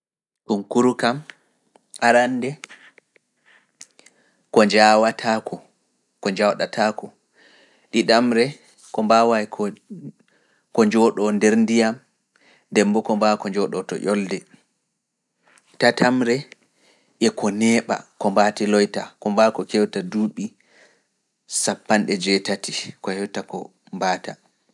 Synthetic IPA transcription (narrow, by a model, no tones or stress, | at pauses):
sumkuɾukam | aɾandɛ | kɔɲd͡ʒawatʰakʰɔ | kɔɲd͡ʒawɗatʰakɔ | ɗiɗamɾɛ | kɔmbawajk | kɔɲd͡ʒɔɗɔndɛɾndijam | dɛmbɔkɔmbakɔɲd͡ʒɔɗɔtɔ̰ʔɔldɛ | tatʰamɾɛ | ʔɛkɔnɛːɓa̰kɔmbatilɔjtakɔmbakɔkɛwtaduːɓi | sapːanɗɛd͡ʒɛtatikɔhɛwtakɔ | mbaːta